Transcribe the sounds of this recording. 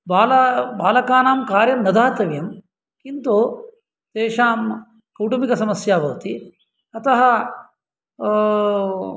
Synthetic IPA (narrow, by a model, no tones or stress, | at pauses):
baːlɐbaːlɐkaːnaːmkaːɾjɐmnɐd̪aːt̪ɐʋjɐm | kint̪oː | t̪eːʂaːm | kɐwʈumikɐsɐmɐsjaːʋɐʋt̪i | ɐt̪ɐɦɐ